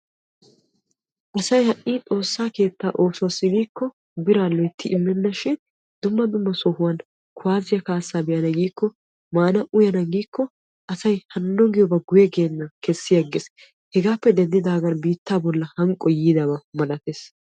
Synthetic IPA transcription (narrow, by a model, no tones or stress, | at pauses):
ʔɐsɐjhɐʔʔiːt̪ʼo̞ːsːaːke̞ːt̪ːaːʔoːsʊwɐsːɪɡiːkːɔ | bɪɾaːlɔjt̪ːɪʔɪmːɛnːɐʃɪn | d̪ʊmːɐd̪ʊmːɐsɔhʊwɐn | kʰʊaːzɪjɐkaːsːaːbɪjɐnɐɡiːkːɔ | maːnɐʔʊjɐnɐɡiːkːɔ | ʔɐsɐjhɐnːɔɡɪjɔbɐɡʊjɛɡeːnːɐkɛsːɪjɐɡːɪs | hɛɡaːpːɛd̪ɛnd̪ɪd̪aːɡɐnbiːt̪ːaːbɔlːɐhɐŋkʼːɔjiːd̪ɐbɐmɐlɐt̪eːs